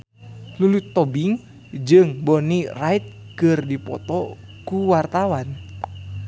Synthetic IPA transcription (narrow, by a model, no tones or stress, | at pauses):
lulut̪ɔbiŋ | d͡ʒɨŋbɔnirait̪̚kɨrdipɔ̰t̪ɔ | kuwart̪awan